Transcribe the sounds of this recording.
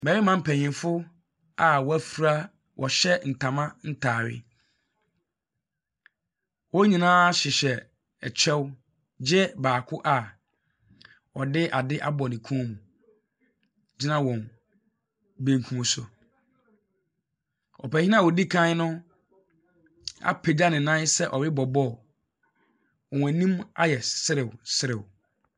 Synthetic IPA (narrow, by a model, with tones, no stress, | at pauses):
mɛ˨ɾi˦mã˨m̩˦pʰɛ˨ɲɪ̃˨nfʊ˦ | a˨wɔ˨æ˨fu˨ɾa˦ | wʔɔ˨ɕɛ˦n̩˨tʰã˨mã˦n̩˦tʰaː˨ɥɪ̰˦ | wɔ˦ɲĩ˨nãː˦ɕɪ˨ɕɛ˨ | ɛ˨t͡ɕʰɛ˦w | d͡ʑɛ˦baː˨kʰʊ˦ʔa˨ | wɔ˨dɪ˦ʔa˨dɪ˦ʔa˦bɔ˨nɪ̃˨kʰũ˦mũ˨ | d͡ʑɪ˦nã˦wɔ̃˨n | bẽ˨ŋkʰũ˨mõ˨sʊ˨ | ɔ̰˨pɛ˨hɪ˦nã˦˨wɔ˨di˦kʰã˦nʊ̃˦ | a̰˨pʰe˨da˦nɪ̃˨nã˦sɛ˦ʔɔ˨ɾɪ˦bɔ˨bɔ˦˨ | ɔ˨wæ˨nĩ˦ma̰˦jɛ˨sɪ˦ɾɪ˨wsɪ˦ɾɪ˨w